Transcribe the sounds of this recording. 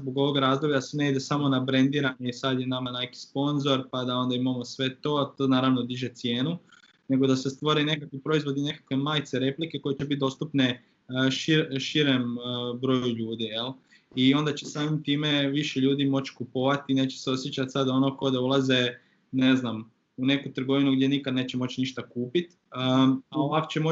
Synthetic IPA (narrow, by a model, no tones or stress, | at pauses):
zboɡo̞ʋo̞ɡɾaːzd̪o̞bʎasene̞id̪esamo̞nabɾe̞nd̪iːɾaɲeisad̪jenamanejki̥spo̞nzo̞ɾpad̪ao̞nd̪aimamo̞sʋe̞t̪o̞ːat̪onaːɾaʋno̞d̪iʒe̞t̪sje̞ːnu | ne̞ɡo̞d̪asest̪ʋo̞ɾine̞kakʋipɾo̞izʋo̞d̪ine̞kḁkʋe̞maːjt̪se̞ɾe̞plike̞ko̞jet͡ɕebit̪̚d̪o̞ːst̪upne̞ | ʃiɾʃiɾembɾo̞juʎuːd̪ije̞l | io̞nd̪at͡ɕe̞saːmimt̪iːme̞ʋiʃeʎuːd̪imo̞t͡ɕkupo̞ʋat̪ine̞ːt͡ɕe̥seo̞sjet͡ɕat̪sad̪o̞no̞ko̞d̪aulaze̞ | ne̞znam | une̞kut̪ɾ̩ɡo̞ʋinuɡd̪je̞nikad̪ne̞ːt͡ɕemo̞t͡ɕniʃt̪akuːpit̪ | əao̞ʋako̥t͡ɕemo